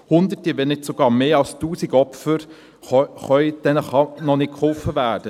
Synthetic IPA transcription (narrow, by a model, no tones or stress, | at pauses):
hʊnd̪ətiʋɛnɪtsoɡɑːɾmeːɑlstuːsiɡɔfəɾ | χœʏd̥ɛnəχɑnɔnɪt̚kχʊlfəvæːɾd̥ə